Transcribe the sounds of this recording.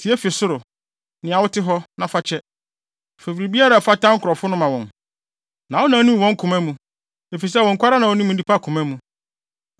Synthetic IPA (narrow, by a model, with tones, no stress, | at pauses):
tʰi˨˦ɛ˦fi˨sʊ˦ɾʊ˨ | nɪ̃˨a˨wʊ˦tʰɪ˦ɦɔ˦nã˨fa˨t͡ɕʰɛ˦˨ | fe˨fɾi˨bi˦a˦ɾa˨fa˦tã˦ŋ̩˦kʰʊ˨ɾɔ˨fʊ˦nʊ̃˦mã˨wɔ̃˨n | nã˨ɔ˦nã˨˦nĩ˦˨wɔ̃˦ŋ˦kʰʊ̃˨mæ̃˦mũ˨ | e˨fi˨s̬ɛ˦˨wɔ̃˨ŋ̩˨kʷa˦ɾa˦nã˨wɔ˨˦nĩ˦mũ˨˦i˦pʰa˦˨kʰʊ̃˨mæ̃˦mũ˨